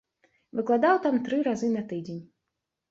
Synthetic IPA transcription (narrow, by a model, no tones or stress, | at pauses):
vɨklˠad̪awt̪amt̪ɾɨɾazɨnɐt̪ɨd͡zʲenʲ